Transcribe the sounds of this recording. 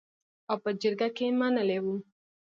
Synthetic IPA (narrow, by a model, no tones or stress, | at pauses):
awpəd͡ʒəɾɡakemanəlewu